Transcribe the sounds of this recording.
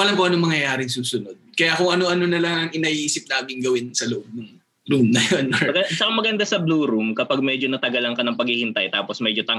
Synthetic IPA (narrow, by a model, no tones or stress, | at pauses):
ʔɐlɐmkoʔɐnomɐŋjɐjaːɾɪŋsuːsʊnod̪̚kɐjakʊŋʔɐnoʔɐnonɐlɐŋɐŋɪnɐʔiːsɪp̚laːmɪŋɡɐwɪnsɐlʊʔb̚nʊŋ | ɾumnɐjonmɐɡɐt͡ʃɐkɐmɐɡɐnd̪asɐbluːɾumkɐpaɡ̚mɛːd͡ʒo̞nɐt̪ɐɡɐlɐŋkɐnɐŋpɐɡhihɪnt̪ɐ̰jt̪aːposmɛd͡ʒot̪ɐŋ